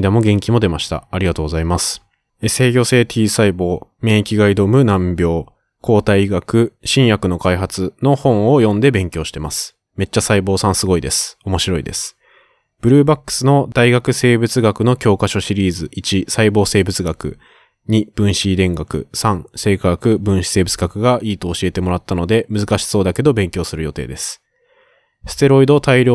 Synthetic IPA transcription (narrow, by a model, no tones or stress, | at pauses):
d̪amo̞ɡẽ̞ŋkʲimo̞d̪e̞maɕi̥t̪a̰aɾʲiɡat̪o̞ːɡo̞zaimasɨ̥ | ese̞ːɡʲo̞se̞ːt̪ʰʲiːsaibo̞ːmẽ̞ɰ̃ekʲiɡaid̪o̞mɯ̟nãmbʲjo̞ː | kʰo̞ːt̪aiɡakɯ̟ɕĩɰ̃jakɯ̟no̞kaiɦat͡sɨno̞hõ̞ɰ̃o̞jõ̞nd̪e̞bẽ̞ŋkʲo̞ːɕi̥t̪e̞masɨ̥ | me̞t͡ɕːasaibo̞ːsãɰ̃sɨɡo̞id̪e̞sɨ̥o̞mo̞ɕiɾo̞id̪e̞sɨ̥ | b̥ɯ̟ɾɯ̟ːbakːɯ̥sɨno̞d̪aiɡakɯ̟se̞ːbɯ̟t͡sɨɡakɯ̟no̞kʲo̞ːkaɕo̞ɕiɾʲiːzɨʔit͡ɕisaibo̞ːse̞ːbɯ̟t͡sɨɡakɯ̟̰ | ɲ̟ib̥ɯ̟̃ɰ̃ɕid̪ẽ̞ŋɡakɯ̟̰sãɴ̃se̞ːkaɡakɯ̟bɯ̟̃ɰ̃ɕi̥se̞ːbɯ̟t͡sɨɡakɯ̟ɡaʔiːt̪o̞ːɕie̞t̪e̞mo̞ɾat̪ːano̞d̪e̞mɯzɨkaɕi̥so̞ːd̪ake̞d̪obẽ̞ŋkʲo̞ːsɨɾɯ̟jo̞t̪e̞̰ːd̪e̞sɨ̥ | sɨ̥t̪e̞ɾo̞id̪o̞t̪aiɾʲoː